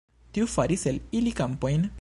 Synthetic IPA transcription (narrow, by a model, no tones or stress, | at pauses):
tiufaɾiselilikampo̞jn